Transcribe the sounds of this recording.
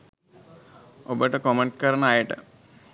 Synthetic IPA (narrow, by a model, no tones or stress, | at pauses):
obəʈəkomeɳʈ̚kəɾənəajəʈə̰